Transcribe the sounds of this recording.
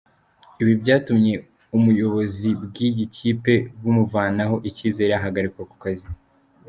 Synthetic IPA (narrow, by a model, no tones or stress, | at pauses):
iβibɟaːtumɲe̞ | umujo̞βo̞zibɡiɟicʰiːpe̞βumuvaːnaɦo̞ʔiciːze̞ːɾeaɦaɡaɾikwoku̥kazi